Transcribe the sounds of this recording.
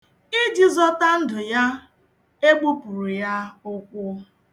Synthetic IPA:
i˦d͡ʒi˨zɔ˦ta˦n̩˦dʊ˨ja˦ | e˦ɡ͡bo˦pu˨ɾu˨ja˦ʊ˦kʷʊ˦

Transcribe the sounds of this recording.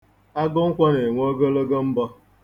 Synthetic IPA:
a˦ɡʊ˦ŋ̩˦kʷa˦ne˨ŋʷ˦o˦ɡo˦lo˦ɡo˦m̩˦bɔ˦

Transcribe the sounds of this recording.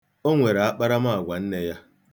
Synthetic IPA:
o˦ŋʷe˨ɾa˨a˦k͡pa˦ɾa˦ma˦˨a˨ɡʷa˨n̩˦ne˦ja˦

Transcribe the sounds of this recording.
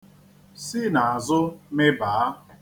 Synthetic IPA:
sɪ˦na˨a˨zʊ˦mɪ˦baː˨a˦

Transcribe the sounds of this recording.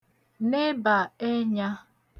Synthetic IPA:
ne˦ba˨e˦ɲa˦

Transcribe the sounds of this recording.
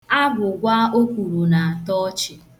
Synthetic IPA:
a˦ɡʊ˨ɡʷa˦ʔo˦kʷu˨ɾu˨na˨a˨tɔ˦t͡ʃɪ˨

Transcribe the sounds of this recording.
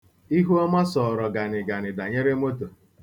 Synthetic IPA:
i˦ɦu˦ɔ˦ma˦sɔ˨ɾɔ˨ɡa˨nɪ˨ɡa˨nɪ˨da˨ɲe˦ɾe˦mo˦to˨

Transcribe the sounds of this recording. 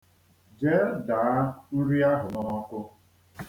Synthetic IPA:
d͡ʒe˨˦ɾda˨a˦n̩˦ɾi˦a˦ɦʊ˨nɔ˦kʊ˦

